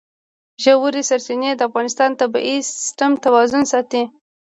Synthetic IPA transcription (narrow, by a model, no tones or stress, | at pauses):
ʒawuɾisaɾsined̪əafɣɑnɪst̪ɑnt̪aba̰ʔisɪ̥sʈamt̪awɑzʊnsɑt̪i